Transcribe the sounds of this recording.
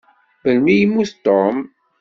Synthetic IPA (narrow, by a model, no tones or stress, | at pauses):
bəlmijmːuθt̪om